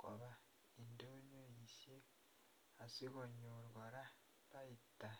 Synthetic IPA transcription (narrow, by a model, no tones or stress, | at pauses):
ko̰βa | indoɲoisje | asiɣoɲuɾɡoɾa | βaitːa